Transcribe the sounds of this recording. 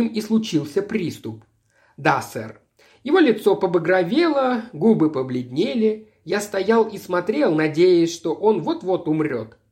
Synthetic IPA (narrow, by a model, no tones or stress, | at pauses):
mislˠʊt͡ɕilˠsʲəpɾʲist̪ʊp | d̪asɛ̰r | jɪvo̞lʲɪt̪so̞pəbəɡɾɐvʲelˠəɡubɨpəblʲɪdʲnʲelʲɪ | jast̪ɐjalˠismɐt̪ɾʲe̞lˠnɐdʲejɪsʲʂt̪o̞ʔo̞nvo̞t̪vo̞t̪ʊmɾʲo̞t̪